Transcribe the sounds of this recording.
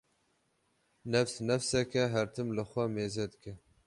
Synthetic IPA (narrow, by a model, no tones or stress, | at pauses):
nɛfsnɛfsɛkɛɦɛɾt̪ʰɨmlɨxʷɛmeːzɛd̪ɨkɛ